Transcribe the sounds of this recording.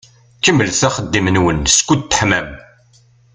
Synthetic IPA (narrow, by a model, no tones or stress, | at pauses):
kːəməlθæχəd̪ːimənwənskʷːud̪̚t̪ːə̥ħmæm